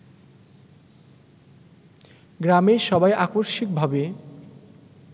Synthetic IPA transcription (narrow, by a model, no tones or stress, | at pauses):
ɡɾameʃɔbajʔakoɾʃik̚bʱabe